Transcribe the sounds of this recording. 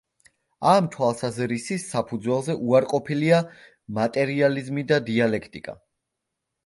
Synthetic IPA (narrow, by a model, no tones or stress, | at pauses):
amt̪ʰwalˠsazɾisisːapʰud̪zwɛlˠzɛʔuaɾqʼɔpʰilia | mat̪ʼɛɾializmid̪ad̪ialɛkʰt̪ʼikʼa̰